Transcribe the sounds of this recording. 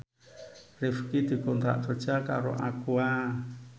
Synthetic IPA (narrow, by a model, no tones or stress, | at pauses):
ɾefkit̪ikond̪ɾa̰ʔtʰot͡ʃaka̰ɾo̰ʔakwa